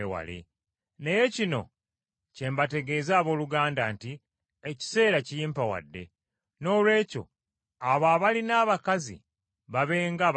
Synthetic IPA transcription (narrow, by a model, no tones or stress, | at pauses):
ewa̰lḛ | ne̞je̞cino̞̰ | ce̞mbate̞ɡe̞zaːβo̞ːluɡaːndanti | eci̥se̞ːɾacijiːmpawa̰dːe̞̰ | no̞ːlwe̞ːco̞̰ | aβaːβalinaːβakazḭ | βaβe̞ːŋɡa